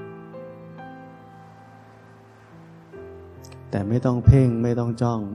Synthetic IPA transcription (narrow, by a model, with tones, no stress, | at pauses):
t̪ɛː˨˩ma˥˩jt̪ɔ˥˩ŋpʰe˥˩ŋma˥˩jt̪ɔ˥˩ŋt͡ɕɔ˥˩ŋ